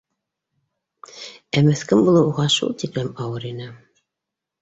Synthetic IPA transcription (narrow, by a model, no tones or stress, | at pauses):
æmɘθkɘmbulˠɤuʁɑʃṵlˠt̪iplæmɑwɤɾinɘ